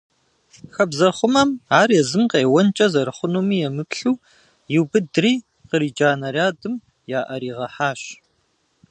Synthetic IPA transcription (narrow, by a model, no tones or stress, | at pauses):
xɐbzɐχʷʊmɐmaːrjɛzɨmqeːwɐnt͡ʃʼɐzɐɾɨχʷʊnuːmiːjɛmɨpɬuː | jɪwbɨdɨriː | qəɾiːd͡ʒaːnɐrjaːdɨm | jaːʔɐɾiːʁɐħaːɕ